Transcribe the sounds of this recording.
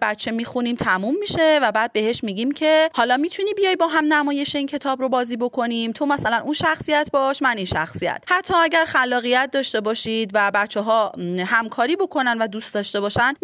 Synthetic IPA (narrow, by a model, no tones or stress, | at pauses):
bæt̪t͡ʃʰːe̞miːxunimt̪ʰæmumːiʃe̞væbæːd̪̚be̞ɦeʃmiːɟiːmcʰe̞hɒːlɒːmiːt̪ʰuniːbijɒjbɒːɦæmnæmɒːje̞ʃeincʰe̞t̪ʰɒːbɾo̞bɒːziːbo̞kʰo̞nimt̪ʰo̞mæsælænunʃæxsijæt̪ʰbɒʃmæninʃæ̰xsijæ̰t̪ʰhæt̪ʰːɒːæɟæɾxælːɒːɣijæt̪̚d̪ɒːʃt̪e̞bɒːʃid̪væbæt̪t͡ʃʰːeɦɒːɦæmkʰɒːɾiːbo̞kʰo̞nænvæd̪ust̪d̪ɒʃt̪e̞bɒːʃæn